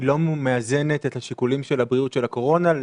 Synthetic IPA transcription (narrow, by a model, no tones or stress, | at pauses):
lo̞mmeaze̞ne̞t̪ethaʃikulimʃe̞labʁiutʃe̞lako̞ʁo̞na